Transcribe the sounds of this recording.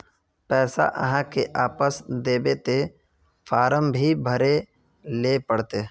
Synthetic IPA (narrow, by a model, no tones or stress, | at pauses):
pɛːsa̰ʔə̰ɦãkeʔaːpəsd̪eːbet̪e | fʰaːɾəmbʱibʱəɾe | lepəɽt̪e